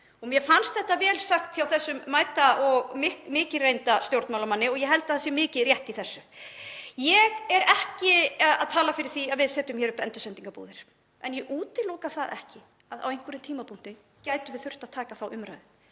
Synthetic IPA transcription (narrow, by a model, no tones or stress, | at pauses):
ɔɣmjɛfanst̪θɛht̪ːavɛːlsaxt̪çjawθɛsːʏmːaːjt̪aʔɔɣmɪmɪːcɪɾrejnt̪ast̪jowɾt̪mawlamanːɪɔɣjɛɦɛlt̪ḁðθasɛmɪːcɪðrjɛht̪iθɛsːʏ | jɛɣɛɾɛhcɪaða̰ðt̪ʰaːlafɪɾɪɾ̥θiaðvɪðsɛːt̪ʏmçɛɾʏpɛnt̪ʏsɛnt̪iŋkapṵːðɪɾ̥ | ɛnjɛʔuːt̪ɪlɔːkaθaðʔɛ̰hcɪ | aða̰wejŋ̥kvʏɾʏnt̪ʰiːmapʰun̥t̪ɪn | caːjt̪ʏvɪðθʏr̥t̪aðt̪ʰaːkaθawʔʏmɾa̰jðɪ